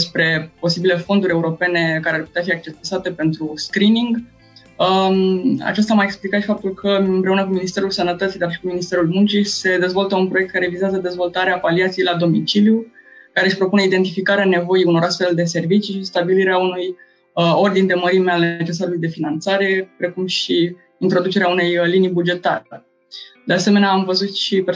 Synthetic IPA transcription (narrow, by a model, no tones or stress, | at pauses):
espɾe̞po̞sibile̞fo̞nd̪uɾʲe̞uɾo̞pe̞ne̞kaɾearput̪eafiak̚t͡ʃesat̪e̞pe̞nt̪ɾuskɾiniŋɡ | ə | a̰t͡ʃast̪amaeksplikat̪ʃi̥fap̚t̪ulkʰəɨmpɾe̞unəkuminist̪e̞ɾulsənət̪ət̪sid̪arʃi̥kuminist̪eɾulmunt͡ʃise̞d̪e̞zvo̞lt̪əunpɾoe̞k̚t̪kaɾe̞vizeazəd̪e̞zvo̞lt̪aɾeapaliat̪sijejlad̪o̞mit͡ʃiljukaɾe̞ɨʃpɾo̞pune̞id̪e̞nt̪ifikaɾeane̞vo̞iuno̞ɾast̪fe̞ld̪e̞s̬e̞rvit͡ʃiʃist̪abiliɾeaunuj | o̞rd̪ind̪e̞məɾimealne̞t͡ʃe̞s̬aɾulujd̪e̞finant̪saɾe̞pɾe̞kumʃi | int̪ɾo̞d̪ut͡ʃe̞ɾeaune̞jlinijbud͡ʒe̞t̪a̰ə | d̪ease̞meneaamvəzut̪ʃipe